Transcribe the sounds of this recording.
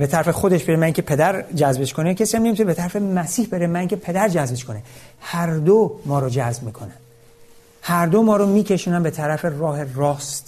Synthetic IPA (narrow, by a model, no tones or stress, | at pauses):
be̞t̪ʰæɾæfe̞xo̞d̪e̞ʃbe̞ɾemæiŋcʰepʰe̞d̪æɾd͡ʒæzbe̞ʃko̞necʰesiæmne̞mit̪ʰunebet̪ʰæɾæfemæsiːhbe̞ɾemæiŋcʰepʰe̞d̪æɾd͡ʒæzbeʃkʰo̞nehæɾd̪omɒːɾod͡ʒæzbmiːkʰo̞̰næn | hæɾd̪omɒːɾomiːcʰe̞ʃuːnænmbe̞t̪ʰæɾæfe̞rɒːhe̞rɒːst̪